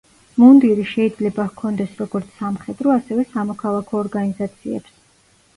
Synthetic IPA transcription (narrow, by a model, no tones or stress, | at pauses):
mund̪iɾiʃɛid̪zlɛbakʰɔnd̪ɛsɾɔɡ̥ɔɾt̪sʰamχɛd̪ɾɔasɛvɛsamɔkʰalˠakʰɔːɾɡanizat̪sʰiɛ̰ps